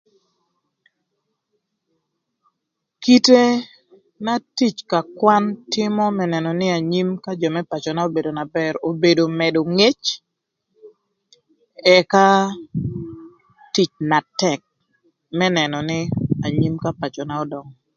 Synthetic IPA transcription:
ki˦te˦ | na˦ti˦t͡ʃka˨kwa˦ntɪ˦mɔ˦mɛ˦nɛ˨nɔ˨nɪ˦a˨ɲi˦mka˦d͡ʒɔ˨mɛ˦pat͡ʃɔ˨na˦o˦be˨do˨na˨bɛɾo˨be˨do˨mɛ˨do˨ŋe˦t͡ʃ | ɛ˨ka˦ | ti˦t͡ʃna˨tɛk̚ | mɛ˦nɛ˨nɔ˨nɪ˦a˨ɲi˦mka˦pa˨t͡ʃɔ˨na˦ɔ˦dɔ˨ŋɔ

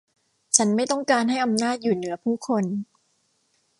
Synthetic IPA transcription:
t͡ɕʰa˦˥nma˥˩jt̪ɔ˥˩ŋkaː˧nɦa˥˩jʔa˧mnaː˥˩t̪̚juː˨˩nɯ˩˦ɐpʰuː˥˩kʰo˧n

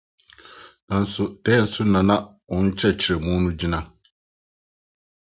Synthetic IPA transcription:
n̩˨sʊ˨tɛ˦n̩˨sʊ˦na˨na˦ | ʊ˨n̩˦t͡ʃɛ˦t͡ʃɪ˨ɾe˨muː˦nũ˦d͡ʒɪ˦na˦

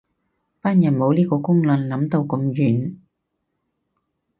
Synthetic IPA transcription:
paː˥njɐ˨˩nmo˨˧wliː˥kɔː˧kʊ˥ŋlɐ˨nlɐ˨˥mt̪o˧wkɔ˧mjyː˨˩n

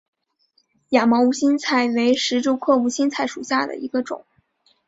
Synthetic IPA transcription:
ja˨˩mɑ˧˥u˧˥ɕi˥nt͡sʰa˥˩ɪwe˧˥ɪʂɻ̩˧˥ʈ͡ʂu˥ʊkʰɤ˥˧u˧˥ɕi˥nt͡sʰa˥˩ɪʂu˨˩ɕja˥˩d̪ə̰˩ḭ˧˥ɡə˧ʈ͡ʂʊ̰˨˩˦ŋ

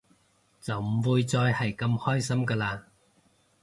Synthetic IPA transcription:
t͡sɐ˨wm̩˨˩wuː˧jt͡sɔː˧jhɐ˨jkɐ˧mhɔː˥jsɐ˥mkaː˧laː˧

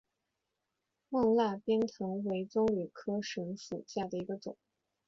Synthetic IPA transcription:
mɤ˥˧ŋla˥˩pjɛ˥nt̪ʰɤ˧˥ŋwe˧˥ɪt͡sʊ˥ŋly˨˩kʰɤ˥ʂə˧˥ŋʂṵ˨˩ɕja˥˩d̪ə˩i˧˥ɡə˧t͡sʊ˨˩˦ŋ

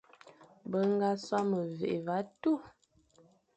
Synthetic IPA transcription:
bə˦ŋ˦ɡa˦swa˦mə˨vḛ˨ʔe˨va˨˦tu˦˨

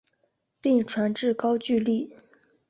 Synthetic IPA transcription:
pi˥˩ŋʈ͡ʂʰwa˧˥nʈ͡ʂɻ̩˥˩kɑ˥ʊt͡ɕy˥˧li˥˩

